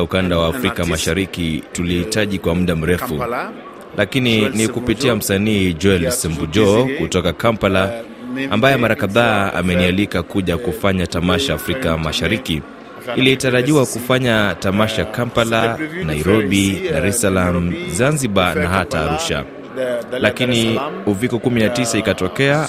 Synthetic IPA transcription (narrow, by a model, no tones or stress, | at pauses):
ukandawaːfɾikamaʃaɾikitulihitaʄikwamuɗam̩ɾɛfu | lʔakininikupitiam̩saniːd͡ʒɔɛlsɛmbud͡ʒɔkutɔkakampala | ambajɛmaɾakaðaːa̰mɛnialikakuʄakufaɲatamaʃaːfɾikamaʃaɾiki | ilitaɾaʄiwakufaɲatamaʃakampalanajɾɔɓidaɾɛsalamuzanziɓanahataːɾuʃa̰ | lakiniuvikɔkuminatisaikatɔkɛa